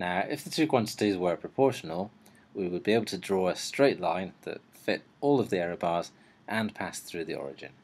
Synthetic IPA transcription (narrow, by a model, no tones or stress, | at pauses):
naʊʔɪfðətʰʉːkʰw̥ɑ̃ntɪ̥tizwə˞pʰɹ̥əpʰɔɹʃənəlˠ | wiwəd̚bieɪbl̩ˠtʰədɹɔːəstɹ̥eɪʔlˠãɪ̃nðə̰t | fɪt | ɔːlˠəvðiɛɹəbɑɹz̥ | ʔə̃npʰasθɹʉːðiɔ̰ɹɪ̰d͡ʒɪ̰̃n